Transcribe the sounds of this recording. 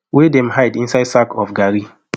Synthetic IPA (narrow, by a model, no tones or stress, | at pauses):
wedɛ̃mhaɪdĩnsaɪdsakɔfɡaɾi